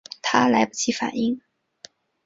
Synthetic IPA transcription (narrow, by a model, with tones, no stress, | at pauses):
t̪ʰa˥la˧˥ɪpu˥˩t͡ɕʰi˧˥fa̰˨˩ni˥ŋ